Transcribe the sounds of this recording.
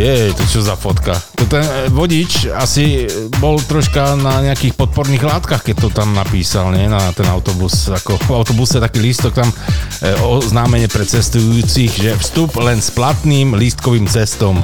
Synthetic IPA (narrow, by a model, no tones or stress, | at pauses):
jɛɛt̪ɔt͡ʃɔzafɔt̪kat̪ɔt̪ɛnʋɔɟit͡ʃasibɔlt̪ɾɔʃkanaɲɛakixpɔt̪̚pɔɾniːɣlaːt̪kaxkɛc̚t̪ɔt̪amnapiːsalɲɛnat̪ɛnaʊt̪ɔbusakɔaʊt̪ɔbusɛt̪akiːlist̪ɔk̚t̪am | ɔznaːmɛɲɪɛpɾɛt͡sɛst̪ujuːt͡siɣʒɛfst̪uplɛnsplat̪niːmlist̪kɔʋiːmt͡sɛst̪ɔm